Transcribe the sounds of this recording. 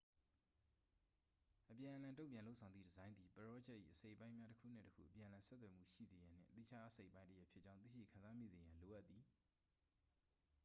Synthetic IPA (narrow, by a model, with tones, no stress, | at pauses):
ʔəpjã˨ʔə˨lã˨ntõ˦ʊ̃mpjã˨lo˦ʊʔsʰã˨nd̪i˦˨dəzã˦ɪ̃nd̪ði˨pəɹɔ˦d͡ʑɛ˦ʔːḭ˦˨ʔəse˦ɪʔəpã˦ɪ̃mja˦təkʰṵ˦˨n̥ɪ̰̃˦˨təkʰṵ˦˨ʔəpjã˨ə̃˨lã˨sɛ˦t̪wɛ˨m̥ṵ˦˨ʃḭ˦˨ze˨jã˨n̥ɪ̰̃˦˨ʔət̪ḭ˦˨t͡ɕʰa˦ʔəse˦ɪʔpːã˦təjɛ˦ʔpʰjɪ˦t͡ɕã˦ʊ̃t̪θḭ˦˨ʃḭ˦˨kʰã˨nza˦mḭ˦˨ze˨jã˨lo˨ʔa˦t̪ːi˨